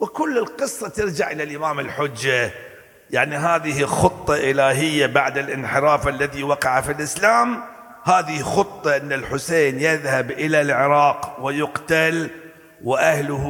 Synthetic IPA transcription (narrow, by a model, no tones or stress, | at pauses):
wɪkʊlːɪlqɨsˤːɑt̪ɪɾd͡ʒaʕʔɪlalʔɪmaːmɪlħʊd͡ʒːa | jaʕniɦaːðɪhixʊt̪ˤːɑʔɪlaːɦɪjːabaʕd̪ɪlʔɪnħɪɾɑːfalːaðiwɑqɑʕafilʔɪslaːm | haːðixʊt̪ˤːɑʔɪnːalħʊseːnjɪðhabʔɪlalʕɪɾɑːqwɪjʊqt̪al | wɪʔahlʊh